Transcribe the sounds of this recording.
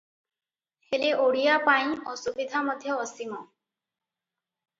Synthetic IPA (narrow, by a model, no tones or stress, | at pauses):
heleʔoɽijapaĩɔsubid̪ʱamɔd̪ʱjɔːsimɔ